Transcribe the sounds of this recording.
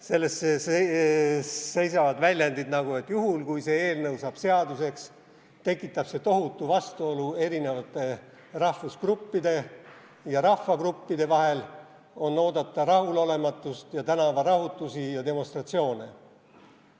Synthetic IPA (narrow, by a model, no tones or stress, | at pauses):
se̞lːe̞st̪sese | se̞jsɑvɑd̪vælʲjɑnd̪id̪nɑɡue̞t̪ːˑjuɦulkujse̞e̞ːlnɤwsɑb̥se̞ɑd̪use̞ks | t̪e̞kˑːit̪ˑːɑb̥se̞t̪o̞ɦut̪ːˑuvɑst̪uo̞lue̞ɾine̞vɑt̪ːˑe̞ | rɑhfuskrupːid̪e̞ | jɑɾɑhfːɑkrupːid̪̥e̞vɑɦel | o̞nːo̞ːd̪̥ɑt̪ːˑɑɾɑhulo̞le̞mɑt̪ːˑust̪jɑt̪ænɑvɑɾɑɦut̪ːˑusijɑd̪e̞mo̞st̪rɑt̪sio̞ːne